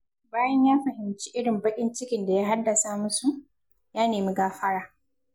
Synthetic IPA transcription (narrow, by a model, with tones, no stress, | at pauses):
baː˦jɐ˦ɲjaː˦ɸɐ˨hɪ˨mt͡ʃi˦ʔɪ˦ɽɪ˨mbɐ˦kʲʼɪ˦nt͡ʃɪ˦kʲɪ˨nda˨jaː˦ɦa˦dːɐ˨sa˦mʊ˦su˨ | jaː˦neː˨mi˦ɡaː˦ɸɐ˦ɽaː˦˨